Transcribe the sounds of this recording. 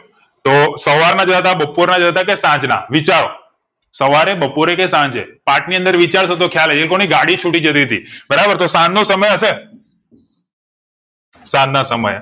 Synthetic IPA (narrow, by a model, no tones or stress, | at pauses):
t̪osəʋaɾnad͡ʒəət̪abəpoɾnad͡ʒəət̪ak̬esãɲd͡ʒna̰ʋit͡ʃaɾo | səʋaɾebəpoɾekesãɲd͡ʒḛpaʈniə̃nd̪əɾʋit͡ʃaɽʃot̪̬okʰjaled͡ʒelkoñiɡaɽit͡ʃʰuʈid͡ʒət̪̬iɦət̪ibəɾabəɾt̪osãnːosəməjəse | sãnːasəmə̰j